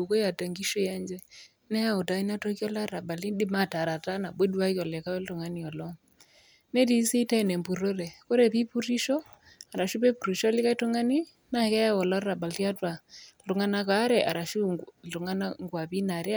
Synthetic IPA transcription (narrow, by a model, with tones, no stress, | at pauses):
u˨ko˦ja˨ta˨ŋɡi˦ʃɔ˦ja˦ɲd͡ʒɛ˦ | nɛ˦ja˦u˨ta˨i˦na˦tɔ˦kjɔ˦la˦ɾa˨ba˨li˦ɗi˦ma˨ta˨ɾa˨ta˦na˨be˦dwa˦kɔ˨lɛ˨ka˦wɛ˦ltɔ˨ŋa˦ni˨ɔ˨lɔ˦ | nɛ˦ti˦si˦tɛ˦˨nɛ˨mbu˨ɾɔ˦ɾɛ˨ko˦ɾɛ˨pi˦pu˦ɾi˦ʃɔ˦ | a˨ɾa˨ʃu˦pɛ˦pu˨ɾi˨ʃɔ˦lɪ˦ka˦i˦tɔ˦ŋa˦ni˦ | na˦˨kɛ˦ja˦wɔ˨la˦ɾa˨ɓa˨lti˦a˦twa˨lu˨ŋa˦na˦ka˨˦ɾɛ˨ʔa˨ɾa˨ʃu˦u˨ŋa˦na˦ŋɡwa˨pi˦na˨ɾj